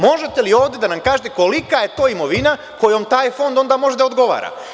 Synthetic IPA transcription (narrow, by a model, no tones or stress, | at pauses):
mo̞ʒe̞t̪e̞lio̞ːʋd̪e̞d̪anamkaːʒet̪eko̞likaje̞t̪o̞ːimo̞ʋina | ko̞jomt̪aːjfo̞nd̪o̞nd̪amo̞ʒed̪aod̪ɡo̞ʋa̰ːɾa̰